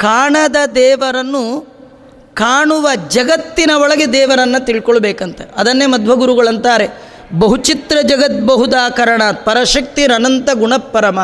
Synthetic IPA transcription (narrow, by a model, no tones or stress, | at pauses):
kaːɳɐd̪ɐd̪ɛːʋɐɾɐnːu | kaːɳuʋɐd͡ʒɐɡɐt̪ːinɐɔɭɐɡed̪ɛːʋɐɾɐnːɐt̪iɭkɔɭbeːkɐnt̪eɐd̪ɐnːemɐd̪ʱʋɐɡuɾuɡɐɭɐnt̪aːɾe̞ | bɐɦut͡ʃit̪ɾɐd͡ʒɐɡɐt̪̚bɐɦud̪aːkɐɾɐɳaːt̪̚pɐɾɐʃɐk̚t̪iɾɐnɐnt̪ɐɡuɳɐpːɐɾɐmɐ